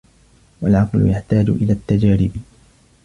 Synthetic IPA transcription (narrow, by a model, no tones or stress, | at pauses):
walʕɑqlʊ̰jaħt̪aːd͡ʒʊ̰ʔɪlaːt̪ːad͡ʒaːɾɪb